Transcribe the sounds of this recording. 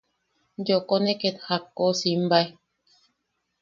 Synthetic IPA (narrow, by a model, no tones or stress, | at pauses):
nd͡ʒokoneket̪hakːosim̩baj